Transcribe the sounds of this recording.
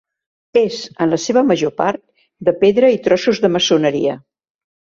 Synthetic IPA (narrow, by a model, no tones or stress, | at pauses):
ezənləseβəməʒopaɾt̪̚ | d̪əpeðɾəit̪ɾɔsuzðəməsunəɾḭə